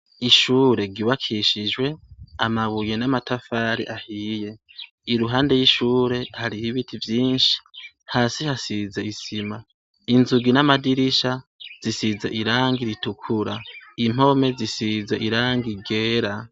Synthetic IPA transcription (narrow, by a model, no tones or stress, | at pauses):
iʃuːɾe̞ɡiβakʰiʃid͡ʒwe̞amaβujenamatafaːɾḭʔahiːje̞ | iɾuɦaːnde̞jiʃuːɾe̞haɾihiβitʰivjiːnʃi̥ | haːsihasizeisima | inzuɡinamadiɾiʃaz̥isizaʔiɾaːŋɡiɾitukʰuɾaim̥o̞me̞zisizaʔiɾaːŋɡiɡe̞ːɾa